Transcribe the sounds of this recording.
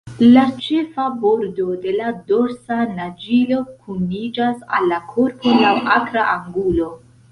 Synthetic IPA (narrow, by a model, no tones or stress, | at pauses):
lat͡ʃe̞fabo̞ɾdo̞de̞lado̞ɾsanad͡ʒilo̞kʰunid͡ʒasa̰lːakʰo̞ɾpolawakɾaʔaŋɡulo̞